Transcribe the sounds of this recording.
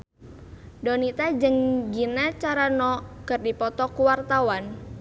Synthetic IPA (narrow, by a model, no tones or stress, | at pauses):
dɔnit̪ad͡ʒəŋɡinat͡ʃaɾanɔkɨrdipɔt̪ɔkuwart̪awan